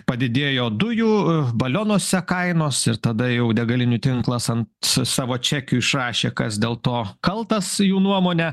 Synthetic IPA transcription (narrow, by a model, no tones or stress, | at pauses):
pɐd̪ʲɪd̪ʲeːjoːd̪ʊjuːbɐlʲoːnoːsʲɛkɐɪnoːsɪɾt̪ɐd̪ɐjɛʊd̪ʲɛɡɐlʲɪnʲʊt̪ʲɪŋklˠɐsɐnt̪sɑːʋoːt͡ʃʲæːkʲuːɪʃrɑːʃʲeːkɐsd̪ʲeːlˠt̪oːkɐlˠt̪ɐsjuːnuɔmoːnʲɛ